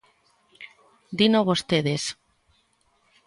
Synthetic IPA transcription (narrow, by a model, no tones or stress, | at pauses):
d̪inoβost̪eðes